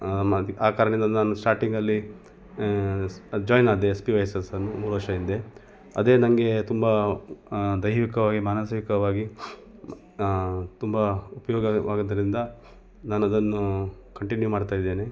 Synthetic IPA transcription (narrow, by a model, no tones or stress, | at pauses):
mɐiaːkaːɾɐnind̪ɐnaːnusʈaːɾʈiŋɡɐlːi | d͡ʒɔːjnaːd̪eːspiʋɐjɐsɐsɐnːumuːɾuʋɐɾʂɐind̪e̞ | ɐd̪e̞ːnɐŋɡe̞t̪umbɐ | d̪ɐjʋikɐʋaːɡimaːnɐsʋikɐʋaːɡi | t̪umbɐupɐjɔːɡɐʋaːɡɐd̪ɐɾind̪ɐ | naːnuɐd̪ɐnːukɐɳʈinjumaːɖt̪aːjid̪ːeːne